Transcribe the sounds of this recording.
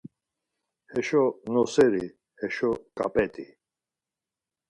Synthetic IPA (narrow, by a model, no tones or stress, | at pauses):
hɛʃɔnɔsɛɾi | hɛʃɔkʼa̰pʼɛt̪ʼi